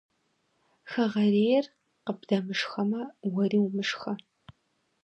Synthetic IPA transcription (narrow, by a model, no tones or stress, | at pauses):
xɐʁɐreːjɛr | qəbdɐmɨʂxɐmɐwɐriːwmɨʂxɐ